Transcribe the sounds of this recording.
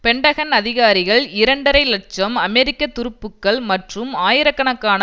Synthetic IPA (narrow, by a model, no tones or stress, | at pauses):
pɛɳɖɐɣɐnɐðɪɣaːɾɪɣɐɭɪɾɐɳɖɐɾɐɪlɐʈ̚t͡ʃɐmɐmɛɾɪkːɐt̪ːʊɾɯpːɯkːɐɭmɐʈrɯmaːjɪɾɐkːɐɳɐkːaːnɐ